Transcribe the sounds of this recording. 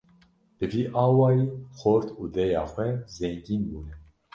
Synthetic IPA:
d̪̥ɨviːʔɑːwɑːjiːxoɾt̪uːd̪ɛjɑːxʷɛzɛŋɡiːnbuːnɛ

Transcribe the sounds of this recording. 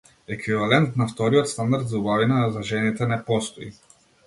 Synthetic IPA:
ɛkvivalɛnt̪naft̪ɔɾiɔt̪st̪and̪aɾd̪zaubavinazaʒɛnit̪ɛnɛpɔst̪ɔi

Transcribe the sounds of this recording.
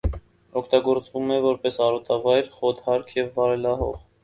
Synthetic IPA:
ɔkʰt̪ɑɡɔɾt͡svumɛvɔɾpɛsɑɾɔt̪ɑvɑjɾχɔt̪hɑɾkʰjɛvːɑɾɛlɑɦɔ̰ʁ

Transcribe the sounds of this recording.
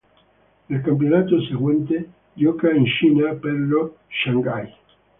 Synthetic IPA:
nelkamp̬jonat̪oseɣwẽnt̪e | ʎokaenʃinapeɾlo | ʃaŋɡaj

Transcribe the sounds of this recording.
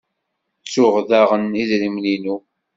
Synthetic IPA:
t͡sːʊʁðaʁəniðɾimlinu

